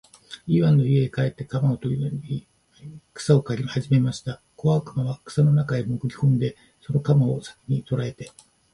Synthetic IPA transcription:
iːβãnːo̞ieːkae̞t̪ːe̞kamaot̪o̞ɾʲiaɾʲi | kɯ̟̥sao̞kaɾʲihaʑime̞maɕi̥t̪a | ko̞βakɯmaβakɯ̥sano̞nakaemokɯ̟ɾʲi̥hõnd̪e̞ | so̞no̞kamao̞sḁkʲi̥ɲ̟it̪o̞ɾae̞t̪e̞

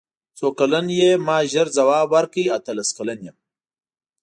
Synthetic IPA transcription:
t͡sokalanjemɑːʒəɾzɐwaːbwaɾkəjat̪əlaskalanjem

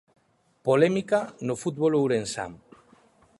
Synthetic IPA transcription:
polɛmikanofut̪̚βolowɾensa̰m

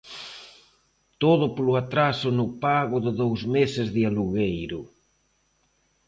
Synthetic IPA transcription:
t̪oðʊpolʊat̪ɾasʊnʊpaɣʊðɪðowzmesɪzðɪaluɣejɾʊ

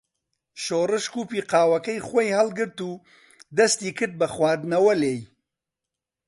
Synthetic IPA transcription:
ʃoːrɨʃkuːpiːqaːwɐkɐjχojhɐlɡɨɾt̪uː | d̪ɐst̪iːkʰɨɾd̪̚bɐxwaːd̪nɐwɐleːj

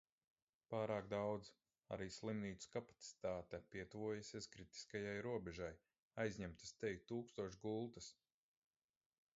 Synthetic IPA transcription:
paːɾaːkd̪awd̪z | a̰ɾiːslˠimniːt̪skapḁt̪si̥t̪aːt̪ɛpiɛt̪uvuɔjasʲiɛskɾit̪i̥skajajɾuɔbɛʒaj | ajzʲɲɛmt̪ḁst̪ɛjʲt̪uːkst̪uɔʃɡulˠt̪as

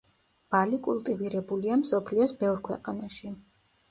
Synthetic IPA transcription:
b̥alikʼulˠt̪ʼiviɾɛbuliamsɔpʰliɔsbɛvɾkʰwɛ̰qʼanaʃi

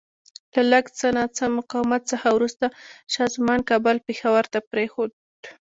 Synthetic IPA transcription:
lalaɡt͡sənat͡səmʊqɑwmat̪̚t͡səxawɾust̪aʃɑzmɑnkɑbʊlpexawaɾt̪apɾexod̪

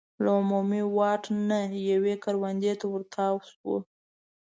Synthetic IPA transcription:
laumumiwɑʈnajawekaɾwand̪et̪awəɾt̪ʰɑwswə̰

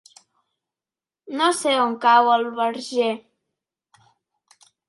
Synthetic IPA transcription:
noseoŋkawəlˠβəɾʒe

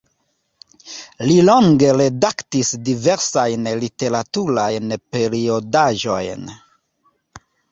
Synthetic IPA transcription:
liloŋɡe̞ɾe̞daktisdive̞ɾsajnlite̞ɾatuɾajnpe̞ɾio̞daʒo̞̰jn

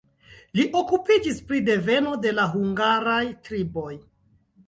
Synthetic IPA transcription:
liʔo̞kupid͡ʒispɾide̞ve̞no̞de̞laɦuŋɡaɾajtɾibo̞j

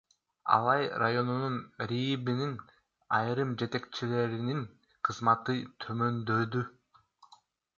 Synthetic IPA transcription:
ɑ̰lˠɑjrajo̞nununɾʲibinin | ɑjɾɯmd͡ʒe̞t̪e̞k̚t͡ʃile̞ɾinin | qʰɯzmɑt̪ɯt̪ʰømø̞nd̪ø̞d̪y

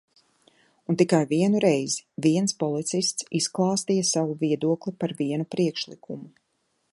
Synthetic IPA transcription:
unt̪ikajviɛnuɾɛjziviɛnspɔlˠit̪sist̪sisklˠɑːst̪ijɐsavuviɛd̪uɔklˠipaɾviɛnupɾiɛkʃlˠikʰumu

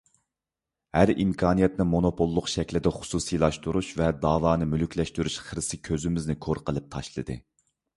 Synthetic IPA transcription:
hæɾimkʰɑːnijɛt̪nɨmonopʰolˠːʊqʃɛkʲlɪd̪ɛχʊ̥suːsijlˠɑʃt̪uɾuʃvɛd̪ɑːwɑːnɨmylykʲlɛʃt̪yɾyʃχəɾsɨkʲʰøzɪmɪznɪkʰoɾqəlˠɨp̚t̪ʰɑʃlˠɨ̰d̪ɨ̰

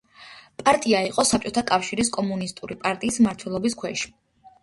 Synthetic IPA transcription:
pʼaɾt̪ʼiaiqʼɔsap̚t͡ʃʼɔt̪ʰakʼafʃiɾiskʼɔmunist̪ʼuɾipʼaɾt̪ʼiːsmaɾt̪ʰwɛlˠɔbiskʰwɛʃi̥

